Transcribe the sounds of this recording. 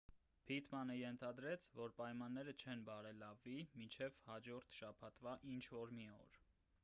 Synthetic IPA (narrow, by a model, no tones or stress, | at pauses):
pʰit̪ʰmɑnəjɛnt̪ʰɑd̪ɾɛt͡sʰvɔɾpɑjmɑnːɛɾət͡ʃʰɛnbɑɾɛlɑvːimint͡ʃʰɛvhɑd͡ʒɔɾt̪ʰʃɑpʰɑt̪vɑʔint͡ʃʰvɔɾmiɔ̰ɾ